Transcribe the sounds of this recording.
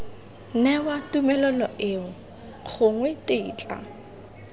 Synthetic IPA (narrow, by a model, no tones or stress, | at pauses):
nɛwatumɛlɔlɔʔɪʊ | q͡χʰʊŋwɛteiːt͡ɬʼa̰